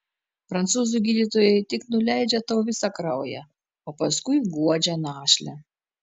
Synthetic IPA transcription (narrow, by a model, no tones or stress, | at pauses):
pɾɐnt̪suːzuɡʲiːd̪ʲit̪oːjɛɪt̪ʲɪknʊlʲæˑɪd͡ʒʲɛt̪ɐːʋʲɪsɑkɾɐʊjɛ̰ | oːpɐskʊɪɡuɔd͡ʒʲɛnɑːʃʲlʲɛ